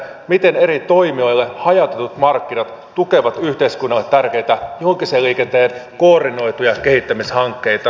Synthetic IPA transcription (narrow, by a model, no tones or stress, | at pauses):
mit̪e̞ne̞ɾit̪o̞jmio̞jlːehɑjɑt̪e̞t̪ut̪mɑrkːinɑt̪t̪uke̞ʋɑt̪yçt̪e̞iskunːɑlːet̪ːærke̞jt̪æjohoŋkiseːlːiːkent̪eːnkoːrdino̞jt̪ujɑke̞ɦit̪ːæmishɑŋkːe̞jt̪ɑ